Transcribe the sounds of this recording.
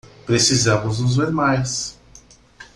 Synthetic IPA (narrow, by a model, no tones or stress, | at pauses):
pɾesizɐ̃mʊznʊzveɾmajs